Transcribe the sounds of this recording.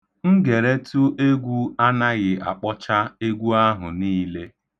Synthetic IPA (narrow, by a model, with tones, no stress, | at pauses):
ŋ̩˦ɡe˨ɾe˦tu˦ʔe˦ɡʷu˦a˦na˦ɣɪ˨a̰˨k͡pɔ˦t͡ʃa˦e˦ɡʷu˦a˦ɦʊ̰˨niː˦le˦